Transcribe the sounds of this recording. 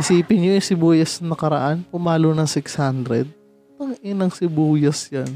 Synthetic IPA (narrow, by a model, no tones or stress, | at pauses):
hɪsiːpɪnɲojʊsɪbuːjɐsnɐkɐɾɐ̰ʔanpʊmaːlonɐŋsɪkshand̪ɾɛd̪̚ | t̪ɐŋʔɪnɐŋsɪbuːjɐsjan